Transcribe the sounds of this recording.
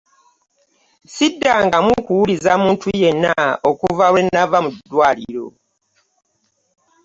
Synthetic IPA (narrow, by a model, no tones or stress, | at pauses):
sidːaŋɡamukuwulizamuːntʰuje̞nːaokuvawe̞nːavamudːwaːlḭɾo̞̰